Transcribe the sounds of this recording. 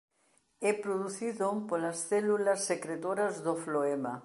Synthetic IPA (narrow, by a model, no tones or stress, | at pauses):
ɛpɾoðuθiðopolɐsθɛlulɐsːekɾet̪oɾɐzðofloema